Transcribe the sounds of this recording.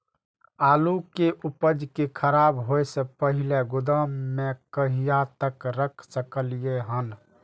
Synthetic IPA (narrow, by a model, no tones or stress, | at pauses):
alukeʔupəd͡ʒkekʰəɾabɦojsẽpəɦileɡud̪əmːekəɦijat̪əkɾəkʰsəkəlijeɦən